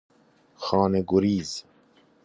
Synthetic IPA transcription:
xɔːneɡuɾiːz

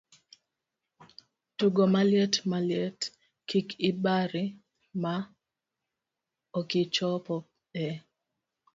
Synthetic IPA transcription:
tuɡomaljɛtmaljɛt | kikɪbaɾɪ | ma | okɪt͡ʃɔpɔp̚ | ɛ

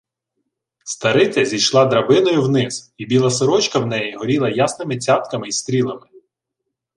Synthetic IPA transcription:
st̪ɐɾɪt͡sʲɐzʲijʃlˠɑd̪ɾɐbɪnɔjʊwnɪzibʲilˠɐsɔɾɔt͡ʃkɐwnɛjiɦɔɾʲilˠɐjasnɪmɪt͡sʲat̪kɐmɪist̪ɾʲilˠɐmɪ

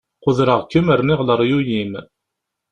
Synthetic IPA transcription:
qʊðɾɑʁkʲːəməɾniʁlɑɾjujim

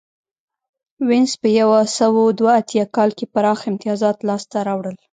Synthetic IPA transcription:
wɪnspəjawasawod̪waːt̪jɑkɑlkepaɾɑxɪmt̪ijɑzɑt̪lɑst̪aɾɑwɽəl

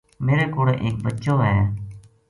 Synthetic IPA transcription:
meːɾeːkoːɽeːʔeːk̚bətːʃoːɦɛː

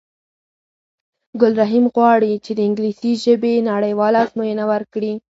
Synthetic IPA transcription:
ɡʊlɾaɦimɣwɑɽit͡ʃed̪əɪŋɡlisiʒəbenaɽəjwɑlazmojənawəɾkɽi

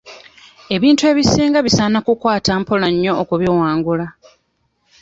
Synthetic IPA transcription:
e̞βiːntue̞ːβisiːŋɡaβisaːnakukwaːtaːmpolaɲːo̞ʔːkuβiwaːŋɡula

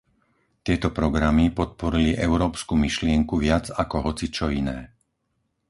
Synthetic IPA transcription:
t̪ɪɛt̪ɔpɾɔɡɾamipɔt̪̚pɔɾiliʔɛʊɾɔːpskumiʃlɪɛŋkuʋɪad͡zakɔɦɔt͡sit͡ʃɔinɛː

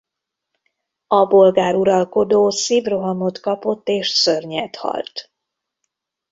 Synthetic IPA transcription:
ɒbo̞lɡaːɾuɾɒlko̞d̪oːsiːvro̞ɦɒmot̪kɒpo̞t̪ːeːʃsørɲɛt̪hɒ̰lt̪

